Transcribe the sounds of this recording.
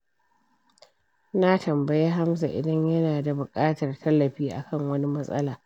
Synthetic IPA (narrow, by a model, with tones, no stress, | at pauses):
na˦tɐ˨mbɐ˨ja˦ɦa˦msa̰˨ʔɪ̰˨dɐ˦ɲjɐ˦naː˨da˨bʊ˨kʼaː˦tɐ˨rtʰɐ˦lːɐ˨ɸiː˦ʔa̰˨kʰɐ˦˨ŋwɐ˦ni˦mɐ˦sʼɐ̰˦laː˨